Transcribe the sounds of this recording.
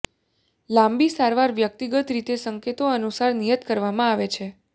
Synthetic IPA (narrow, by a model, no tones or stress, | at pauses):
lãmbisaɾʋaɾʋjək̚t̪iɡət̪ɾit̪esəŋket̪oənusaɾnijət̪kəɾʋamãaʋet͡ʃʰe